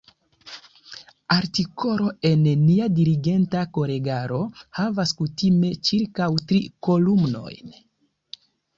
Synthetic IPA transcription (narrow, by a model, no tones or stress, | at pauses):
aɾtiko̞ɾo̞e̞nnːiadiɾiɡe̞ntako̞ɾe̞ɡaɾo̞havaskutime̞t͡ʃiɾkawtɾiko̞lumno̞̰jn